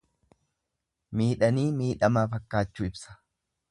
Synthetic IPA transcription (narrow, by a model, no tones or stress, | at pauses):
miːᶑɐniːmiːᶑɐmaːfɐkːaːt͡ʃːuːɪbsɐ̥